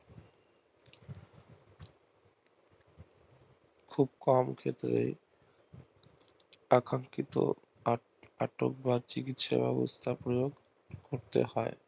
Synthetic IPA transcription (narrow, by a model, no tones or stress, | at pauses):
kʰub̚kɔmkʰet̪ɾe | akɾaŋkit̪o̰ | aʈok̚bat͡ɕikit̪ʃa̰bɛbost̪ʰapɾojoɡ | koɾt̪ḛhɔe